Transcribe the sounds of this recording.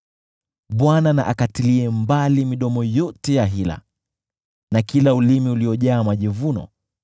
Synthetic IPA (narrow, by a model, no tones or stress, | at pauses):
ɓwanana̰ʔakatiliɛmbalimiɗɔmɔjɔtɛjaɦila̰ | nakilaulimiuliɔʄaːmaʄivunɔ̰